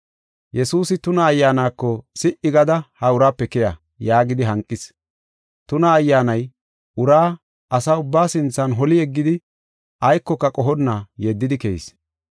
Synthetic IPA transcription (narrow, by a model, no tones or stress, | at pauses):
jɛsuːsɪt̪ʊnɐːjːaːnaːkːɔsɪʔɪɡɐd̪ɐhɐʊɾaːpːɛkɛjɐ | jaːɡɪd̪ɪɦɐŋkʼːɪs | t̪ʊnɐːjːaːnɐj | ʔʊɾaː | ɐsɐʊbːaːsɪnt͡sːɐnɦɔlɪɛɡːɪd̪ɪ | ʔɐjkːɔkːɐkʼɔɦɔnːajɛd̪ːɪd̪ɪkɛjḭs